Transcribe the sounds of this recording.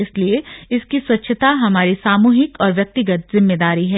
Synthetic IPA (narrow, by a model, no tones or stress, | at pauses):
ɪslieɪskiswɐtːʃʰət̪aɦɐmaːɾisaːmuːɦɪkɔːɾʋjɐk̚t̪ɪɡət̪̚zɪmːed̪aːɾiɦɛː